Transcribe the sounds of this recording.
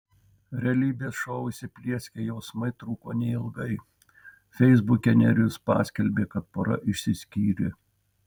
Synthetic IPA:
ɾʲɛlʲiːbʲeːsʃɔʊɪsʲɪpʲlʲiɛsʲkʲejɛʊsmɐɪt̪ɾuːkoːnʲɛɪɪlˠɡɐɪ | fʲɛɪzbʊkʲɛnʲɛɾʲʊspɑ̰ːsʲkʲɛlʲbʲeːkɐt̪poːɾɐ̰ʔɪʃʲsʲɪsʲkʲiːɾʲɪ̰

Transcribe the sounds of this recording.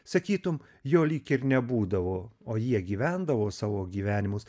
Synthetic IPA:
sɐkʲiːt̪ʊm | joːlʲiːkɪɾnʲɛbuːd̪ɐʋoːoːjiɛɡʲiːʋʲænd̪ɐʋoːsɑːʋoːɡʲiːʋʲæːnʲɪmʊs

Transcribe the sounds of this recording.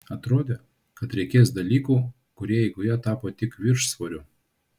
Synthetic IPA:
ɐt̪ɾoːd̪ʲe | kɐt̪ɾʲɛɪkʲeːsd̪ɐlʲiːkuː | kʊɾʲiɛjɛɪɡʊjɛt̪ɑːpoːt̪ʲɪkʋʲɪɾʃsʋoɾʲʊ

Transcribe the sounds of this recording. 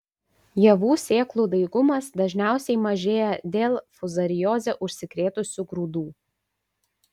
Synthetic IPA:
jɛʋuːsʲeːklˠuːd̪ɐɪɡʊmɐsd̪ɐʒʲnʲæˑʊsʲɛɪmɐʒʲeːjɛd̪ʲeːlˠfʊzɐɾʲɪjoːzʲɛʔʊʃʲsʲɪkɾʲeːt̪ʊsʲuɡɾuːd̪uː

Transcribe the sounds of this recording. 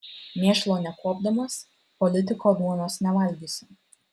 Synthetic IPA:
mʲeːʃlˠoːnʲɛkuɔb̚d̪ɐmɐs | pɔlʲɪt̪ʲɪkoːd̪uɔnosnʲɛʋɑlʲd̪ʲiːsʲɪm

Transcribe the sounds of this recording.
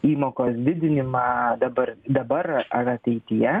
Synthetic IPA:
iːmoːkoːsd̪ʲɪd̪ʲɪnʲɪmɑd̪ɐbɐɾd̪ɐbɐɾɐɾɐt̪ʲɛɪt̪ʲɪjɛ

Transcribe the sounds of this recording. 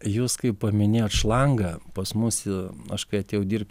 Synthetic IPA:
juːskɐɪppɐmʲɪnʲeːjoːt̪ʃlˠɐŋɡɐpɐsmʊsɪɐʃkɐɪɐt̪ʲeːjɛʊd̪ʲirʲp̚ʲt

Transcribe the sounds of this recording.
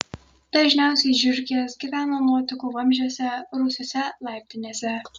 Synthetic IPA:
d̪̥ɐʒʲnʲæˑʊsʲɛɪʒʲʊɾʲɡʲisɡʲiʋʲæːnɐnuɔt̪ʲɪkuʋɐmʲʒʲoːsʲɛɾʊsʲoːsʲɛlˠɑˑɪpʲt̪ʲɪnʲeːsʲɛ

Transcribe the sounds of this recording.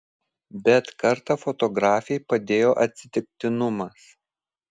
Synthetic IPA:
bʲɛt̪kɐɾt̪ɑfɔt̪ɔɡɾɑːfʲɛɪpɐd̪ʲeːjoːʔɐt̪ʲsʲɪt̪ʲɪk̚t̪ʲɪnʊmɐs

